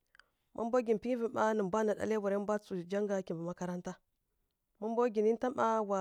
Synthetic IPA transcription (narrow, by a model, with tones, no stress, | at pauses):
mʔa̰˦mbo˦ɡi˨n˨pi˦i˦vi˨ma˦nə˨m˨bʷa˦na˨ɗa̰˨le˦va˨ɾe˦m˦bʷa˦t͡su˨d͡ʒa˦ŋɡa˨kʲi˨mba˨ma˦ka˦ɾa˦nta˦ | ma˦mbo˦ɡi˨ni˦n˦ta˦ma˦wa˨